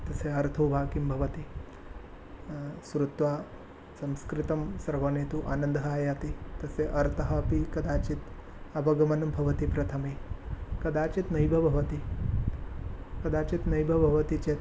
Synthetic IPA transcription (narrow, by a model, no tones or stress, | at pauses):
t̪ɐseɐɾt̪ʰɐwbʱaːkimbʱɐʋɐt̪i | sɾut̪ʋaː | sɐmskɾit̪ɐmsɐɾʋɐneːt̪uʔaːnɐnd̪ʱɦaːjat̪it̪ɐseʔɐɾt̪ʰɐɦɐpikɐd̪aːt͡ʃit̪ | ɐpɐɡɐmɐnɐmbʱɐʋɐt̪ipɾɐt̪ʰɐmekɐd̪aːt͡ʃit̪nɐjbʱɐbʱɐʋɐt̪i | kɐd̪aːt͡ʃit̪nɐjbʱɐbʱɐʋɐt̪it͡ʃeːt̪